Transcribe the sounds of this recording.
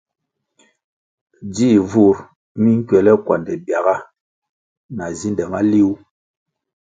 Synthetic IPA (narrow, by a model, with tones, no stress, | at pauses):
d͡ʒi˦vu˦ɾ | mi˦ŋ̩˦kɥɛ˨lɛ˦kwa̰˨ndɛ˨bja˨ɣa˦ | na˨zi˦ndɛ˨ma˦li˦u˦